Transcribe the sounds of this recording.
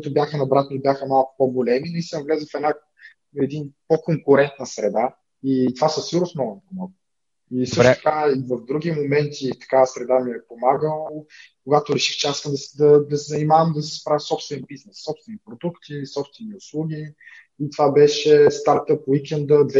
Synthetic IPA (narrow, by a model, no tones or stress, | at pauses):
kʊit̪ʊbjaxənɐbɾat̪noibʲjaxəmalˠkʊ̥poɡolɛminɐisəmvlɛzəfɛna | ɛd̪inpokoŋkʊɾɛnt̪nəsɾɛd̪a | it̪ovasəsiɾosmɔvˠnpomɔɡ | isɤʃt̪ʊt̪əkaivɐvd̪ɾuɡʲimomɛnt̪ʰit̪ɐ̥kasɾɛd̪amiɛpomaɡəllˠ | koɡat̪ʊɾɛʃi̥xt͡ʃɛasi̥skəmd̪ɐsd̪ɐd̪ɐsɛzɐnimavəmd̪ɐsɛ̥spɾavʲəsɔpst̪vɛɛnbiznɛsːɔpst̪vɛnipɾod̪ukt̪isɔpst̪vɛniʊslˠuɡʲiː | t̪ovabɛʃɛst̪aɾt̪əpwikʲɛnd̪əd̪vɛ